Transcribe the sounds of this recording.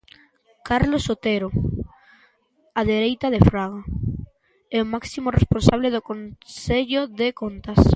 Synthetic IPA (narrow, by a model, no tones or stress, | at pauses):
kaɾlosot̪eɾo | aðeɾejt̪aðefɾaɣa | ɛomaksimoresponsaβ̞leðokonseʎoðekont̪as